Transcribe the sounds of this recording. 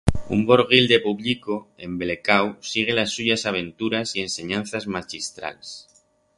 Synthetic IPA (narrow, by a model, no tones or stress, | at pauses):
ṵmboɾɣ̞ild̪e̞puβʎikoe̞mbelekawsiɣ̞e̞lasːuʝasaβ̞ẽ̞nt̪uɾasie̞nse̞ɲãnθazmat͡ʃist̪ɾa̰les